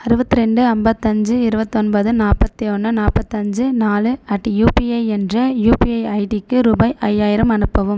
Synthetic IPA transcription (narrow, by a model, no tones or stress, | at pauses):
ɐɾɯbɐt̪ːɯɾɛɳɖɯɐmbɐt̪ːɐɲd͡ʒɯɪɾɯbɐt̪ːɯɔnbɐðɯnaːpɐt̪ːiɔɳːɯnaːpːɐt̪ːɯɐɲd͡ʒɯnaːlɯɐʈːijuːpiɐɪɛndrɐjuːpiɐɪɐɪʈikːɯɾubɐɪʔɐjːaːjɪɾɐmɐnɯpːɐʋɯm